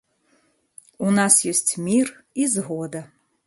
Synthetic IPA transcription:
unasjesʲtʲʰmʲir | izɦod̪ɐ

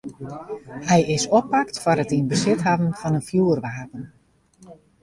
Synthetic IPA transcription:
hɛjɪsɔpːak̚tfɔɾətinbəsɪtɦavənfɑnənfjuərʋaːpən

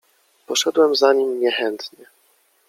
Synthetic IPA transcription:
pɔʂɛd̪wɛmzaɲimɲɛxɛnt̪ɲɛ

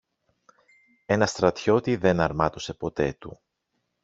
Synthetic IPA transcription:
e̞nɐst̪ɾɐt̪ço̞t̪iðe̞nɐɾmɐt̪ose̞po̞t̪e̞t̪ṵ

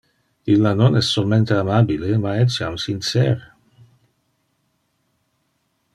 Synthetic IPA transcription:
ilːanonɛsːolment̪eamabilemaɛt͡ʃjamsint͡sɛ̰ːɾe

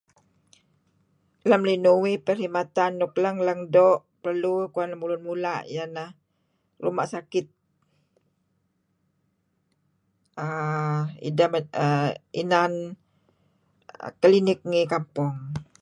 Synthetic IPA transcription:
ləmlinuwipəɾimat̪anːukləŋləŋdɔʔpərlukuanləmbulunmulaʔj̰anah | rumaʔsakɪt̪̚ | ə | ḭdəməinan | kəlinɪk̚ŋikampɔŋ

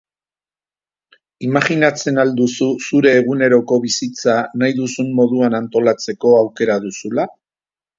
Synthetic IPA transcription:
imaɣinat͡se̞nald̪ususuɾe̞ːɣ̞une̞ɾo̞ko̞βisit͡sanajðusummo̞ðuanant̪o̞lat͡se̞ko̞awke̞ɾaðusula

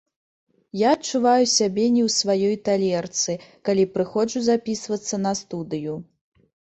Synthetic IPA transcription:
jaɐt͡ʂːuvajusʲabʲɛnʲɛwsvajɔjt̪alʲɛrt̪sɨkalʲipɾɨxɔt͡ʂuzapʲisvɐt̪sːɐnɐst̪ud̪ɨju

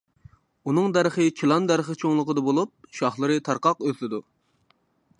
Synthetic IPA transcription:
unɨŋd̪æɾχɨt͡ʃʰilˠɑnd̪æɾχət͡ʃʰoŋlˠəqəd̪ɑbolˠup̚ʃɑχlˠɨɾɨt̪ʰɑɾqɑqøzlɪd̪u

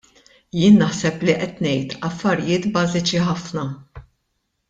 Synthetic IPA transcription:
jɪːnːɐħsɛpliʔɛt̪nɛjt̪ɐfːɐɾɪjɪːt̪bɐːzɪt͡ʃiħɐfnɐ

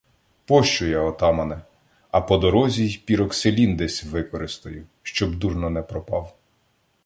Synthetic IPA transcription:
pɔʃt͡ʃʊjaɔt̪ɑmɐnɛ | ɐpɔd̪ɔɾɔzʲijpʲiɾɔkselʲind̪ɛsʲʋɪkɔɾɪst̪ɐjʊʃt͡ʃɔbd̪urnɔnɛpɾɔpɑw

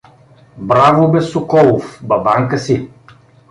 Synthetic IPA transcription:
bɾavobɛsokɔlˠofbɐbaŋkəsi

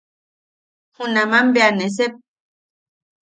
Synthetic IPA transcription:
hunamambeanes̬ep̚

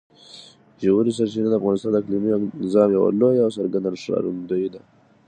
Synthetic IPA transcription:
ʒawuɾis̬aɾt͡ʃinad̪əafɣɑnɪst̪ɑnd̪ɪkliminzɑmjawa̰lojaːwsaɾɡand̪anʂɾɑ̰ɾund̪əjid̪a

